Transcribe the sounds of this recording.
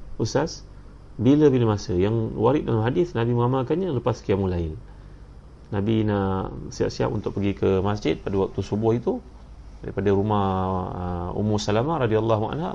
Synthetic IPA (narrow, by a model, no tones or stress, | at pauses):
ʔusas | biləbiləmasəjaŋwaɾɪt̪̚dalamɦadɪθnabiməŋamalkanɲaləpaskiamulaɪn | nabinaʔsia̰p̚sia̰p̚unt̪ʊk̚pəɡikəmasd͡ʒɪt̪̚padawak̚t̪usubʊhit̪u | daɾipadaɾumahəṵmusalamaɾɑdialːɑɦua̰nha̰